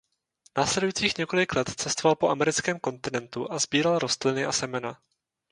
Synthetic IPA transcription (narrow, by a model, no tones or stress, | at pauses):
naːslɛdujiːt͡siːxɲɛko̞lɪklɛt̪t͡sɛst̪ovalpo̞ʔamɛɾɪt͡skɛːmko̞nt̪ɪnɛnt̪uʔazbiːɾalɾo̞st̪lɪnɪʔasɛmɛna